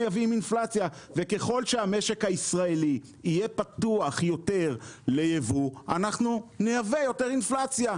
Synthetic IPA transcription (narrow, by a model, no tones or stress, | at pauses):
eaviminflat͡sjave̞ke̞χo̞lʃeame̞ʃe̞khaisʁaeli | ijepat̪uaχjo̞te̞ʁle̞jevuanaχnunejavejo̞teʁinflat͡sja